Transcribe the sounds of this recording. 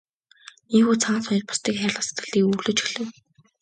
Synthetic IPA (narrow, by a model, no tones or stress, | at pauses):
niːxuːt͡sʰaːnsɔj̆rpʊ̥st̪iːkxʲaːrɮăst̪ə̆ɮiːkuɣɮoːt͡ɕxiɮɘ̆w